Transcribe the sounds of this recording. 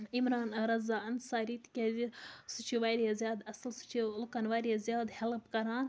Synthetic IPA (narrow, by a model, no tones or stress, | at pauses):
imɾaːnɐɾɐzaːɐnsaːɾiːt̪kʲeːzisut͡ʃʰiʋaːɾjazjaːd̪ɐsɨlsu̥t͡ʃʰilkanʋaːɾjazʲjaːd̪hɛlpkɐɾaːn